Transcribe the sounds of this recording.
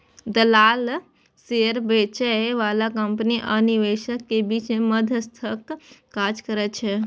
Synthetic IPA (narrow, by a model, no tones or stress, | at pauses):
d̪əlaːl | seɾbet͡ʃɛʋaːlakəmpniʔəniʋeʃəkːebit͡ʃməd̪ʱəst̪ʰəkː | ad͡ʒkəɾət͡ʃʰɛ